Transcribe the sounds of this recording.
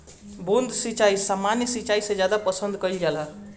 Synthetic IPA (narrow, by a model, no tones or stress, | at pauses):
bond̪ʱsit͡ʃaisamːanjəsit͡ʃaisə̃d͡ʒjad̪apəsənd̪kəjld͡ʒala